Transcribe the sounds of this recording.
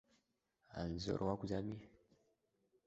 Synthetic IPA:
a̰nzɔ̰ɾʔwakuzami

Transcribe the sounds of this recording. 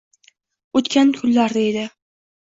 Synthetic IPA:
ot̪kʲankʲʰʊlːaɾd̪aed̪ɪ

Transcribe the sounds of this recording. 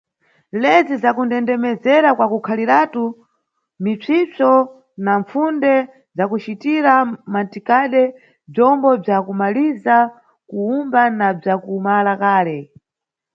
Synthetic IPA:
lɛd͡zizakundɛndɛmɛzɛɾakwakukʰalitatu | mit͡sʰit͡sɔ | naɱfundɛ | zakut͡ʃitiɾamantikaɗɛ | b͡ʐɔmbɔb͡ʐakumaliza | kuumbanab͡ʐakumalakaːlɛ

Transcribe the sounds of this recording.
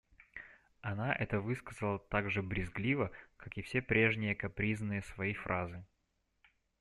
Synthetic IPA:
ɐnaʔɛt̪əvɨskəzəlˠət̪aɡʐɨbɾʲɪzɡlʲivəkakɪfsʲe̞pɾʲe̞ʐnʲɪjəkɐpɾʲiznɨjəsvɐijfɾʔazɨ

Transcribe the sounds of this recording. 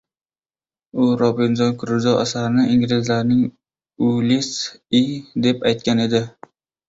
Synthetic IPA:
ʊɾɒbɪnd͡ʒɒnkʰʊɾɪzɒa̰saɾɪnɪʔiŋlɪzlaɾnɪŋ | ʊlisid̪e̞pajt̪̚kʲane̞d̪ɪ

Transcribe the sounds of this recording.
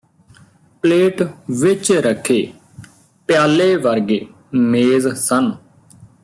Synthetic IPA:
pleːʈʋɪt͡ʃɾəkʰːeː | pjaːleːʋəɾɡeː | meːzsən

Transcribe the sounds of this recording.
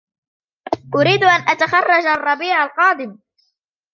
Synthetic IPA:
ʔʊɾiːd̪ʔanʔat̪axɑrˤːɑd͡ʒaɑrˤːɑbiːʕalqɑːd̪ɪm

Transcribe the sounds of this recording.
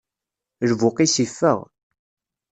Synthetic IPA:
lvʊqisifːə̰ʁ

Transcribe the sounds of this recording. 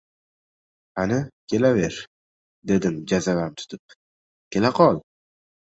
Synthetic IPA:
hanɪkʲʰe̞lave̞ɾ | d̪e̞d̪ɪmd͡ʒazavamt̪ʰʊ̥t̪ʰʊp̚ | kʲʰe̞laqʰɒlˠ

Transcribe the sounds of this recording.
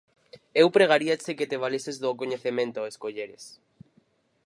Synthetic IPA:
ewpɾeɣaɾiat͡ʃeket̪eβalesezðokoɲeθemẽnt̪oeskoʎeɾes

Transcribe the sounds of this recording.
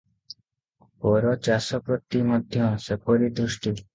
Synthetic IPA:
pɔɾɔt͡ʃasɔpɾɔt̪imɔd̪ʱjɔ̃sepʰɔɾid̪ɾusʈi

